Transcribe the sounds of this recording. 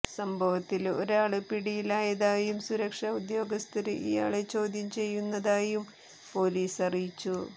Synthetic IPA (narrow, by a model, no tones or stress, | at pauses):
sɐmbʱɐʋɐt̪ːilo̞̰ɾaːɭɨpiɽijilaːjɐðaːjumsuɾɐkʂɐud̪jo̞ːɡɐst̪ʰiɾɨʔḭja̰ːɭet͡ɕo̞ːd̪ʱjɐmt͡ɕe̞jːunːɐðaːjum | po̞ːliːsɐrijit͡ɕːu